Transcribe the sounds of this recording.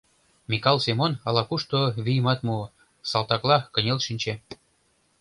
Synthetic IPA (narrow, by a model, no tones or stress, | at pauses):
mʲikɑlˠsʲemonɑlɑkuʃt̪oβijəmɑt̪mu | sɑlˠt̪ɑklˠɑkə̆nʲelʃinʲt͡ɕe